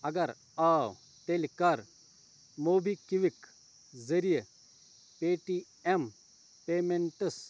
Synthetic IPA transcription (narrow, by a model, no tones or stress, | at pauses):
ɐɡɐɾ | ɐaw | t̪elikɐɾ | moːbikiʋik | zɐɾije | peːʈi | em | peːmeɳʈɐs